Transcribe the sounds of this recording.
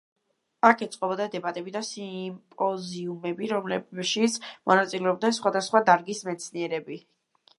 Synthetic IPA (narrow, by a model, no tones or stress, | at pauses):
akʰɛt̪sʼqʼɔbɔd̪ad̪ɛbat̪ʼɛbid̪asimpʼɔziumɛbiɾɔmlɛʃit̪sʰmɔnat̪sʼilɛɔbd̪nɛnsχwad̪asχwad̪aɾɡismɛt̪sʰniɛɾɛbi